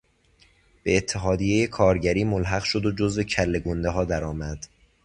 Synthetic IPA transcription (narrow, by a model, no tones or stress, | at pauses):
b̥e̞ːt̪ʰːeɦɒːd̪ije̞jekʰɒːɾɟæɾiːmolɦæɣʃod̪od͡ʒozve̞cʰælːe̞ɡond̪eɦɒːd̪æɾɒːmæd̪̥